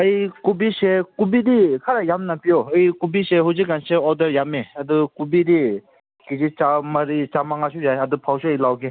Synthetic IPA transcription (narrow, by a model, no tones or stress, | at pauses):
ajkubisekubidikʰaɾajamnapiɔɐjkubiseɦuzik̚ɡanseɔdɐɾjameadukubiɾi | kid͡ʒit͡ʃamaɾit͡ʃamaŋasujaɐdupʰawsuəjlawɡi